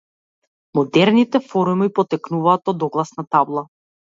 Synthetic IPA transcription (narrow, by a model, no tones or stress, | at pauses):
mɔd̪ɛɾnit̪ɛfɔɾumipɔt̪ɛknuvaːt̪ɔd̪ɔɡlˠasnat̪ablˠa